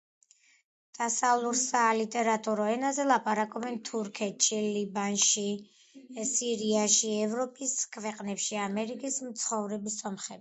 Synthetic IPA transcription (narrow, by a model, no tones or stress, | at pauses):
d̪̥asavlˠuɾsalit̪ʼɛɾat̪ʼuɾɔɛnazɛlˠapʼaɾakʼɔbɛnt̪ʰuɾkʰɛt̪ʃilibanʃi | siɾiaʃiɛvɾɔpʼiskʰvɛqʼnɛpʃiamɛɾikʼismt̪sʰχɔvɾɛbisɔmχɛbi